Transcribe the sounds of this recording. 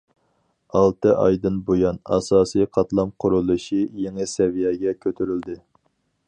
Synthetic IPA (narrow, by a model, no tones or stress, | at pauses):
ɑlˠt̪ɨʔɑ̰jd̪ɨnbojɑnɑ̰sɑːsijqʰɑt̪lˠɑmqʰʊɾulˠɨʃijeŋɨsɛvijɛɡʲɛkʲʰøt̪ʰyɾyld̪ɪ